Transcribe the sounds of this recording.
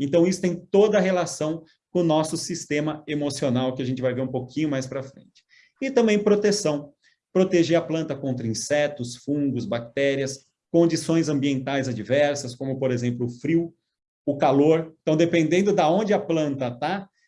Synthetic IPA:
ẽnt̪ɐ̃w̃isʊ̥t̪ẽj̃t̪od̪ɐɦelasɐ̃w̃ | kõnɔsʊsist̪ẽmɐemosionawkɪɐʒẽnt͡ʃɪvajveɾũpokʰĩɲʊmajspɾɐfɾḛ̃nt͡ʃɪ̥ | ɪt̪ɐ̃mbẽj̃pɾot̪esɐ̃w̃ | pɾot̪eʒeɾɐplɐ̃nt̪ɐkõnt̪ɾɐĩsɛt̪ʊsfũŋɡʊzbak̚t̪ɛɾiɐs | kõd͡ʒisõj̃zɐ̃mbiẽnt̪ajzɐd͡ʒivɛɾsɐskõmʊpoɾezẽmplʊʊfɾiw | ʊkaloɾẽnt̪ɐ̃w̃d̪epẽnd̪ẽnd̪ʊd̪ɐõnd͡ʒɪɐplɐ̃nt̪ɐt̪a

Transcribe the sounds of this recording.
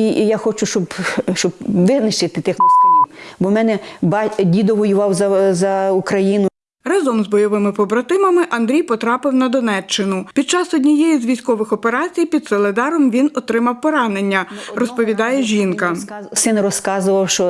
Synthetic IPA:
ijaxɔt͡ʃʊʃt͡ʃɔbʃt͡ʃɔbʋɪznɪʃt͡ʃɪt̪ɪt̪ɪx | bɔmɛnɛbɑdʲid̪ɔʋɔjʊʋɑwzɐzɐukɾɐjinʊ | rɑzɔmzbɔjɔʋɪmɪpɔbɾɐt̪ɪmɐmɪʔɐnd̪ɾʲijpɔt̪ɾɑpɪwnɐd̪ɔnɛt͡ʃːɪnʊpʲid̪̚t͡ʃɑsɔdʲnʲijɛjizʲʋʲijsʲkɔʋɪxɔpeɾɑt͡sʲijpʲid̪sɔlˠed̪ɑɾɔmʋʲinɔt̪ɾɪmɐwpɔɾɑne̞nʲːɐrɔspɔʋʲid̪ɑjɛʒʲinkɐsɪnrɔskɑzʊʋɐwʃt͡ʃɔ

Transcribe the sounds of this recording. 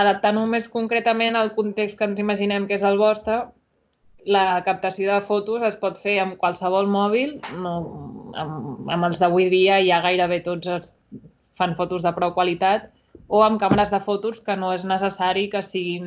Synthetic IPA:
əðəp̚t̪anumeskuŋkɾɛt̪əmenəlˠkunt̪ekst̪kənziməʒinɛmkezəlˠβɔst̪ɾə | ləkəp̚t̪əsioðəfot̪uzəspɔt̪feəmkwəlˠsəβ̞ɔlˠmɔβ̞ilˠnoə̰mə̰məlˠzðəβujðiəjaɣ̞ajɾəβ̞et̪od͡zəs | fanfot̪uzðəpɾɔwkwəlit̪at̪ | oəmkaməɾəzðəfot̪uskənoeznəsəsaɾikəsiɣin

